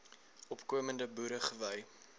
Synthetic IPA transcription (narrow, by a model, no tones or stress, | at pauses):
ɔpkuəməndəbuːɾəχəvəj